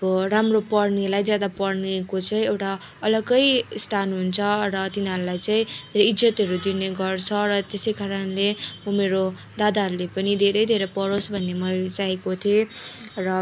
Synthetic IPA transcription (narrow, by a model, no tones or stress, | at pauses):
ʌbʌramropʌrnelajd͡zjad̪apʌrnekot͡saĩewʈa | ʌlʌɡʌjst̪ʰanɦunt͡sʰʌrʌt̪inɦʌɾulajt͡saĩd̪ʱeɾʌjid͡zʌt̪ɦʌɾud̪ineɡʌrt͡sʰʌɾʌt̪esʌjkaɾʌnlemʌmeɾo | d̪ad̪aɦʌɾulepʌnid̪ʱeɾʌjd̪ʱeɾʌjpʌɾosbʱʌnːemʌt͡saɦekot̪ʰierʌ